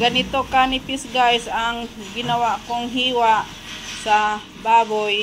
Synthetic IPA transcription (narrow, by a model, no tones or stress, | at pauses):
ɡanit̪okanipisɡajsaŋ | ɡɪnawaʔkoŋɦiwaʔ | sa | baboj